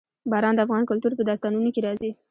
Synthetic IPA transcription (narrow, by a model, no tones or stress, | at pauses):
bɑɾɑnd̪əafɣɑnkʊlt̪uɾpəd̪ɑst̪ɑnunokeɾɑzi